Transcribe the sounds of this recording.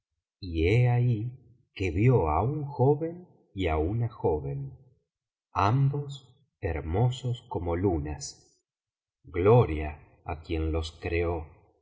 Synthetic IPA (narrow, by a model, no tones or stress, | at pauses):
ieai | keβjoauŋxoβe̞n | iaunaxoβen | ambo̞s | eɾmo̞sosko̞mo̞lunas | ɡloɾjaː | kje̞nlo̞skɾeo